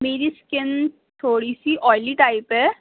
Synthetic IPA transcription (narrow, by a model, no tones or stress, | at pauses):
meːɾiskɪn | t̪ʰoːɽisiʔɔːjliːʈaːɪpɛː